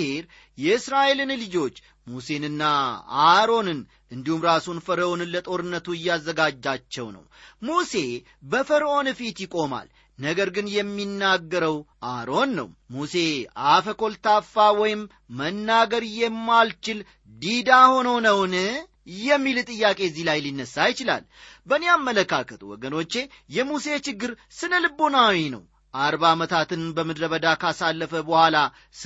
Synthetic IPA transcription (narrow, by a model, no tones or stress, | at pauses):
heɾ | jɛɨsɾaʔelɨnlɨd͡ʒo̞t͡ʃː | muse̞nɨnːaa̰ɾo̞nɨn | ʔɨnd̪ihumɾasunfəɾəʔonɨnlət̪ʼo̞ɾɨnːət̪uɨjːazːəɡad͡ʒːat͡ʃːɛwnə̰wmuse̞ | bəfəɾəʔo̞nfit̪jɪkʼo̞ma̰l | nəɡəɾɡɨnjɛmːinːaɡːəɾəwʔaɾo̞nːə̰wmuse̞afəkʰo̞lt̪ʰafːawɔjɪmː | ənːaɡəɾjɛmːalt͡ʃɪl | d̪id̪aho̞nownəwnɨ | jɛmːilt̪ʼɨjːakʼe̞zːihlajlinːəsːajɪt͡ʃɪla̰l | bəneamːələkːakʰət̪wɔ̰ɡəno̞t͡ʃːe̞ | jɛmuse̞t͡ʃɪɡːɨɾsɨnəlɨbo̞nawinə̰w | ʔaɾbamət̪ʰat̪ɨnbəmɨd̪ɾəβəd̪akasalːəfəbəhʷala